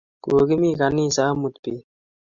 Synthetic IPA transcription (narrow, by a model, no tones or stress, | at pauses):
ɡ̥oːɡimiːkanĩːsaːmut̪pi